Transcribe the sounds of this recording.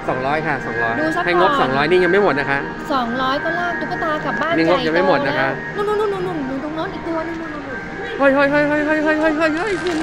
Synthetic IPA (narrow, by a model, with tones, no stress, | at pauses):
sɔː˩˦ŋɾɔː˦˥jkʰa˥˩sɔː˩˦ŋɾɔː˦˥jduː˧a˦˥ha˥˩˨ŋo˦˥k̚sɔː˩˦ŋɾɔː˦˥jniː˥˩ŋa˧ŋma˥˩jmo˨˩t̪̚na˦˥kʰa˦˥ʔ | sɔː˩˦ŋɾɔː˦˥jkɔ˧˥˩nlaː˥˩k̚t̪u˧˥ka˧t̪aː˧ka˨˩p̚baː˥˩niː˥˩ŋo˦˥k̚t͡ɕa˨˩ma˥˩jmo˨˩t̪̚na˦˥kʰa˦˥ʔ | nu˧˥˩nu˧˥˩nu˧˥˩nu˧˥nu˧˩n˨˩nɯː˧˩o˧ŋnɔː˦˥nʔiː˨˩k̚t̪u˧ɐna˧˩nu˧˩n˧˩u˨˩ | ho˧˥˩jɦo˧˥˩jɦo˧˥˩jɦo˧˩jɦo˧˩jɦo˧˩jɦo˧˩jɦo˧˩jɦo˥˩ju˧˩n